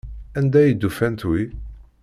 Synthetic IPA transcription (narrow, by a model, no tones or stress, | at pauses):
ænd̪æjəd̪ːufænt̪wi